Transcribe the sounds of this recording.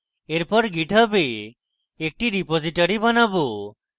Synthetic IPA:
eɾpɔɾɡiʈʰəbeː | k̚ʈiɾipod͡ʒiʈɔɾibʌnabo

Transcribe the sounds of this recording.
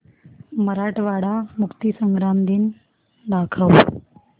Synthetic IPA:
məɾaʈʋaɽamukt̪isəŋɡɾamd̪iːn | d̪akʰəw

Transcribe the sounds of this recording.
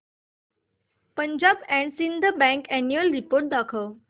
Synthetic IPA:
pə̃ɲd͡ʑaːbɛ̃ɳɖsĩnd̪ʱəbɛ̃ŋkɛnjuəlɾipoːɾʈ̚d̪aːkʰəː

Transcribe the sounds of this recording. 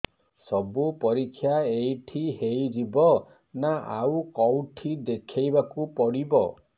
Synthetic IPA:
sɔbupɔɾikʰːjaejʈʰiɦejd͡ʒibɔ | naa̰wkɔwʈʰid̪ekʰajbakupɔɽibɔ

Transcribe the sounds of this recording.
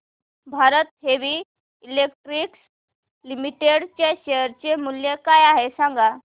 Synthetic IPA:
bʱaɾət̪ɦeʋi | ilek̚ʈɾiks | limiʈeɽt͡ɕeɕejəɾt͡ɕemuljekajaɦesãŋɡa

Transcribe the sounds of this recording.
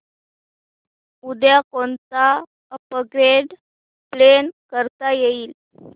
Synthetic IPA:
ud̪jakont͡sa | əpəɡɾeɖ | plenkəɾt̪ajeiːl

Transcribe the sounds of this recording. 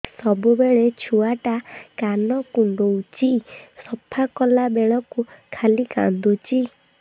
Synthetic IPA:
sɔbubeɭet͡ʃʰuaʈakanɔkuɳɖowt͡ʃisɔpʰakɔlabeɭɔkukʰalika̰nd̪ut͡ʃi

